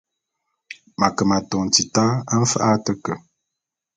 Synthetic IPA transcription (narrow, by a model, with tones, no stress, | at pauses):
ma˨kə˨ma˨tɔ˨n˨ti˨ta˦ə˦m̩˦fʔa˦tə˦kə˨